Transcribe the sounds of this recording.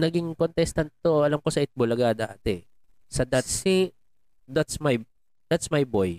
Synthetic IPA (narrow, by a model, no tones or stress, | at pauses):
nɐɡiŋkont̪ɛst̪ɐnt̪̚t̪ːoɐlamkosɐʔɪt̪̚bolɐɡaːd̪ɐʔa̰ːt̪ɛ | sɐd̪ɐt̪si | d̪at̪smaj | d̪̥at̪smajboj